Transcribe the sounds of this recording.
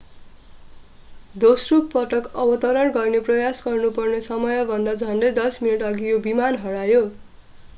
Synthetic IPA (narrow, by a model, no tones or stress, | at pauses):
d̪osrukpʌʈʌkʌbʌt̪ʌɾʌrɡʌrneprʌjasɡʌrnupʌrnesʌmʌjʌbʱʌnd̪ad͡zʱʌnɖʌjd̪ʌsminiʈʌɡijobimanɦʌɽajo